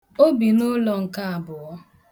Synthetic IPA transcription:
o˦bi˨nʊ˦lɔ˨ŋ̩˨ka˦a˨bʊ˨ɣɔ˦

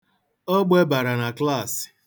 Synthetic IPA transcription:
ɔ˦ɡ͡be˦ba˨ɾa˨na˨kla˦˨sɪ̥˨

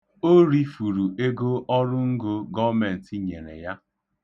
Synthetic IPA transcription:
o˦ɾi˦fu˨ɾu˨ʔe˦ɡo˦ʔɔ˦ɾʊ˦ŋ̩˦ɡo˦ɡɔ˦me˨n̩˨ti˦ɲe˨ɾḛ˨ja˦

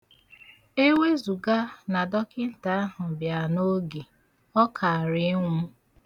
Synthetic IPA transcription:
e˦we˦zu˨ɡa˦na˨dɔ˦kɪ˦n̩˦ta˨˦a˦ɦʊ˨bja˨no˦ɡi˨ | ɔ˦kʰa˨a˨ɾɪ˨˦ŋʷu˦

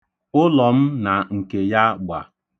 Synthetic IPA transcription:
ʊ˦lɔ˨m̩˦na˨ŋ̩˨ke˨ja˦ɡ͡ba̰˨

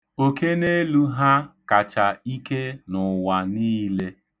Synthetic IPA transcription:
o˨ke˦ne˦lu˦ɦa˦ka˨t͡ʃa˨i˦ke˦nʊ˨wa˨niː˦le˦

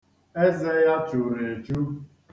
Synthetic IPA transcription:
e˦ze˦ja˦t͡ʃʊ˨ɾe˨t͡ʃu˦

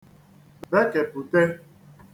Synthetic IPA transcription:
be˦ke˨pu˨te˦

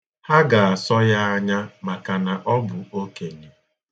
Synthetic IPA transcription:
ha˦ɡa˨a˨sɔ˦ja˦a˦ɲa˦ma˨ka˨na˨ʔɔ˦bʊ˨o˦ke˨ɲe˨

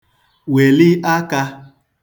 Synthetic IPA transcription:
we˨li˦ʔa˦ka˧

